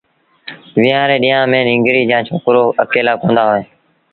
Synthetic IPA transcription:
ʋɪːãːɾeːɗiːjãːmẽːnɪ̃ːŋɡɾiːd͡ʒãːt͡ʃʰoːkɾoːəkeːlaːkõːnd̪aːɦoːeː

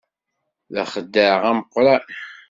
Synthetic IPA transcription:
ðə̰χəd̪ːəɾʁæməqːɾa

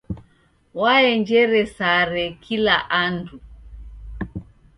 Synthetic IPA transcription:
waɛɲd͡ʒɛɾɛsaɾɛkʰilaʔandu

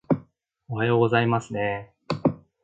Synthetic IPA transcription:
oɦajo̞ːɡo̞zaimasɨne̞

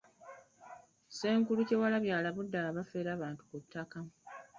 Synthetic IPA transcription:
se̞ːŋkuluce̞walaβjaːlaβudːaβafe̞ːɾaːβaːntu̥kutʰːakamu

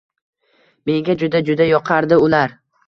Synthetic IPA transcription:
me̞ŋɡʲad͡ʒʊd̪ad͡ʒʊd̪ajɒqʰɑɾd̪ɪʊlaɾ

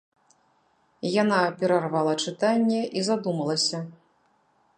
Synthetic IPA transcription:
janapʲɛɾarvalˠɐt͡ʂɨt̪anʲːɛʔizad̪umɐlˠɐsʲɐ

